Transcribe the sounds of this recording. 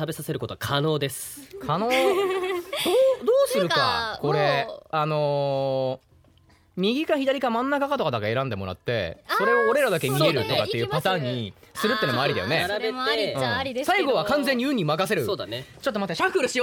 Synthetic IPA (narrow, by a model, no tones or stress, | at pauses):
abe̞sase̞ɾɯ̟ko̞t̪okʰano̞ːd̪e̞sɨ̥kʰanoː | d̪oːd̪oːsɨɾɯ̟ka̰ko̞ɾe̞ano̞ | mʲiɡʲikaçid̪aɾʲikamãnːakakat̪o̞kad̪akae̞ɾãnd̪e̞mo̞ɾa̰t̪ːe̞̰so̞ɾe̞o̞ːɾe̞ɾad̪ake̞mʲie̞ɾɯ̟t̪okaejɯpat̪ãːɲ̟ːisɨɾɯt̪ːeiːnmoaɾid̪a̰jo̞̰nebeɯ̟̃isaiɡo̞β̞akãñd͡ze̞ɲ̟ːiɯ̟ɲ̟ːimakase̞ɾɯ̟oːd̪anet͡ɕo̞t̪ːomat̪aɕakɯɾɯɕio